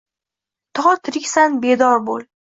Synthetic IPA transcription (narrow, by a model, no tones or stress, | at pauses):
t̪ʰɒt̪ʰɪɾɪkʲsanbed̪ɒɾbolˠ